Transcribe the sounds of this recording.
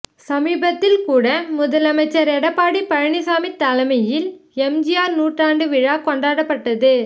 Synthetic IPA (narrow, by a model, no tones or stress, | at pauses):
sɐmiːbɐt̪ːɪlkuːɽɐmʊðɐlɐmɐɪt͡ʃːɐɾɛɽɐpːaːɽipɐɻɐɳɪsaːmit̪ːɐlɐmɐjɪlɛmd͡ʒɪjaːɾnuːʈraːɳɖɯʋɪɻaːkɔɳɖaːɽɐpːɐʈːɐðɯ